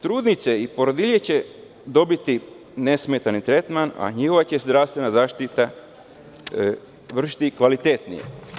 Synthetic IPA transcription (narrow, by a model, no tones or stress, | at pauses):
t̪ɾuːd̪nit̪seipo̞ɾod̪iʎet͡ɕe̞ | d̪o̞bit̪i | ne̞smet̪anit̪ɾe̞t̪mana̰ɲixo̞ʋat͡ɕe̞zd̪ɾaːst̪ʋenazaːʃt̪it̪a | ʋr̩ʃi̥t̪ikʋalit̪et̪nḭjḛ